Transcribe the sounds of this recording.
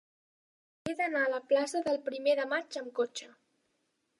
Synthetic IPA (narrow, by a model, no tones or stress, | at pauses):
ed̪ənaələplasəðəlˠpɾimeðəmat͡ʃəmkot͡ʃə